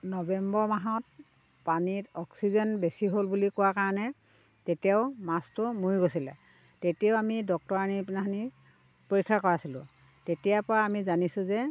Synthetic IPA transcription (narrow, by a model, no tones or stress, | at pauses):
nɔbɛmbɔɹmaɦɔt̚ | panitɔksizɛnbesiɦolbulikʊwakaɹɔnɛ | tetijaʊmastʊmuɹiɡosilɛ̰ | tetijaʊamidɔk̚tɔɹanipnaɦani | poɹikʰːakɔɹasilʊ̰̃ | tetijapɔɹaːmizanisʊ̃zɛ